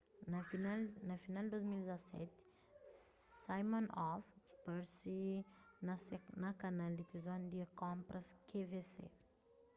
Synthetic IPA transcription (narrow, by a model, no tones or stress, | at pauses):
nainanafinald̪uzmilzasɛ̰t̪i̥ | sajmɔnɔfb̥aɾsi | nasnakanalit̪izoand̪iəkɔmpɾaskʰevesḛv̥